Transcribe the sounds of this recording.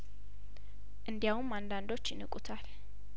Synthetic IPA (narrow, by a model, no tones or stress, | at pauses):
ʔɨnd̪jawumand̪and̪o̞t͡ʃːjɪnɨkʼut̪ʰal